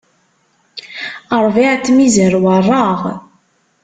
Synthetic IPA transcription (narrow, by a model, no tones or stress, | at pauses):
əɾˤviʕat͡sːmizəɾwərˤːɑʁ